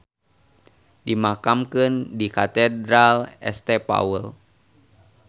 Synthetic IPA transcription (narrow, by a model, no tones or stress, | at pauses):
dimakamkəndikat̪ɛdɾalɛ̰st̪ɛpa̰wəl